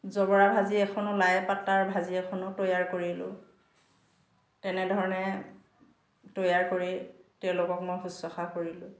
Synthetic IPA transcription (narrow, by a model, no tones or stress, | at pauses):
zɔbɔɹabʱaziɛkʰɔnʊlajpatːaɹbʱaziɛkʰɔnʊtojaɹkoɹilʊ̰̃ | tɛnɛdʱɔɹɔnɛ | tojaɹkoɹitɛʊ̃lʊkɔkmojɦusːɔxakoɹilʊ̃